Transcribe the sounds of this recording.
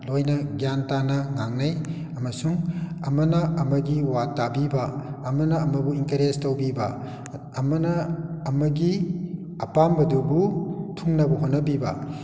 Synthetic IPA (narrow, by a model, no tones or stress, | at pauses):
lojnɐɡijantanɐŋaŋnaj | ɐmɐsuŋɐmɐnɐɐmɐɡiwatːabibɐɐmɐnɐɐmɐbuiŋkɐɾestowbibɐː | mɐnɐɐmɐɡi | ɐpambɐdubutʰuŋnɐbɐɦonːɐbibɐ̰